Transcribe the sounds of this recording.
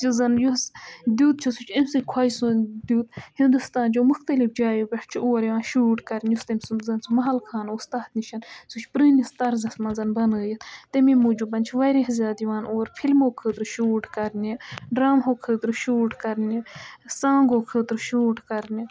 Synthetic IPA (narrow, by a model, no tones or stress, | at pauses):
izɐnjusd̪uːt̪̚t͡ʃʰusut͡ʃʰimsɨkʰwajsud̪ʲuːt̪hĩnd̪ust̪aːnd͡ʒoːmʊxt̪ɐlifd͡ʒaːjubʲɐʈʰt͡ʃʰioːɾjiʋaːnʃuːʈkɐɾnʲjust̪ɐmʲsuzɐnsumɐɦɐlkʰaːnust̪aːt̪niʃʰɐnsut͡ʃʰpɾɨːnist̪ɐɾzɐsmɐnzɐnbɐnəːjit̪t̪ɐmimuːd͡ʒubɐnʲt͡ʃʰiʋɐjɾeɦzʲjaːd̪jʋaːnoːɾpʰilmoːkʰəːt̪ɾʃuːʈkɐɾniɖɾaːmɦoːkʰəːt̪ɾʃuːʈkɐɾnisãːŋɡoːkʰəːt̪ɾʃuːʈkɐɾnʲi